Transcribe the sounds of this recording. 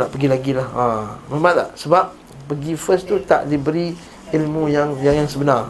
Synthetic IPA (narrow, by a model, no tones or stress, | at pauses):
naʔpəɡilaɡilahaməmaʔla̰ʔsəbap̚ | pəɡifəst̪ut̪a̰ʔdibəɾi | ilmũjaŋjaŋjaŋsəbənar